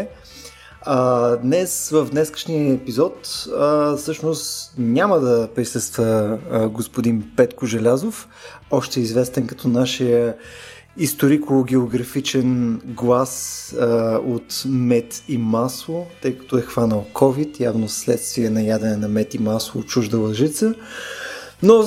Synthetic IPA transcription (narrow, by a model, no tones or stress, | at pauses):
ad̪nɛsvəvd̪nɛskə̥ʃnijəɛpizɔt̪əfsɤʃnost̪nʲaməd̪ɐpɾisɤst̪vəɡospʊd̪inpɛt̪kʊʒɛlʲazof | ɔʃt̪ɛizvɛst̪ɛnkɐ̥t̪ʰɔnaʃijə | ist̪oɾikoɡɛoɡɾɐfit͡ʃɛnɡlˠas | ot̪mɛt̪imaslˠot̪ɤjkɐ̥t̪ɔɛxvanəlˠkʰɔvit̪javnoslɛt̪st̪viɛnɐjad̪ɛnɛnɐmɛt̪imaslˠot͡ʃuʒd̪əlˠɐʒit̪sə | no